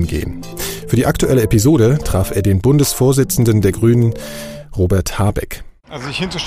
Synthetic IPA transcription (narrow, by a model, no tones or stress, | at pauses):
nɡḛːən | fyːɐdiːʔaktuʔɛləɛpizoːɾətʁ̥aːfeːɐdeːnbʊndəsfoːɐzɪt͡sn̩dən̩deːɐɡʁyːnənʁoːbɛɐthaːɐbɛ̰k | ʔalzoɪçɪntɐ